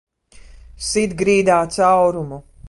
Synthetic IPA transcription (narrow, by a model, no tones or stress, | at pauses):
sit̪ɡɾiːd̪aːt̪sawɾumu